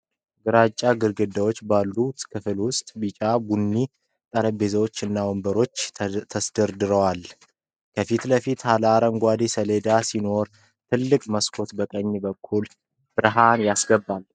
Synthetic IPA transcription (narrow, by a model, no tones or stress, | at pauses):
ɡɨɾat͡ʃʼːaɡɨɾɡɨd̪awot͡ʃːbalːut̪kʰɨfɨlwʊst̪ʼbit͡ʃʼabunːi | t̪ʼəɾəbe̞zəwot͡ʃːɨnːawombəɾo̞t͡ʃːt̪ʰəsd̪əɾd̪ɨɾəwal | kʰəfit̪ləfit̪halaɾəŋɡʷad̪isəle̞d̪asino̞ɾ | t̪ʰɨlːɨkʼməskʰo̞t̪bəkʼəɲːbəkʰːul | b̥ɨɾɨɦanjasɡəbːal